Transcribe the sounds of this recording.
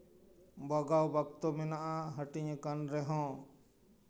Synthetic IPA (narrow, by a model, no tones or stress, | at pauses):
bɔɡawbakt̪ɔmɛnaʔaɦəʈiɲəkanɾɛɦɔ̃